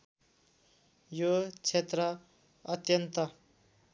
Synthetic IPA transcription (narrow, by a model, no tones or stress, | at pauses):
jot͡sʰet̪rʌ | ʌt̪jʌnt̪ʌ